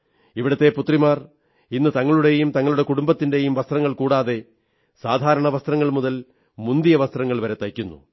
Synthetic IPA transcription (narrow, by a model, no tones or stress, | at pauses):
iʋiɽɐt̪ːe̞put̪rimaːr | inːɨt̪ɐŋːɐɭuɽe̞jumt̪ɐŋːɐɭuɽe̞kuɽumbɐt̪ːinde̞jumʋɐst̪rɐŋːɐɭkuːɽaːðe̞ | saːd̪ʱaːɾɐɳɐʋɐst̪rɐŋːɐɭmuðɐl | mund̪ijɐʋɐst̪rɐŋːɐɭʋɐɾet̪ɐjkʲːunːṵ